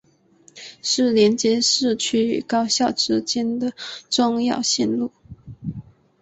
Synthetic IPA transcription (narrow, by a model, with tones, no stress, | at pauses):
ʂɻ̩˥˩ljɛ˧˥nt͡ɕjɛ˥ʂɻ̩˥˩t͡ɕʰy˥y̰˨˩kɑ˥ʊɕjɑ˥˩ʊʈ͡ʂɻ̩˥t͡ɕjɛ˥nd̪ə˨ʈ͡ʂʊ˥˧ŋjɑ˥˧ʊɕi˥˧nlu˥˩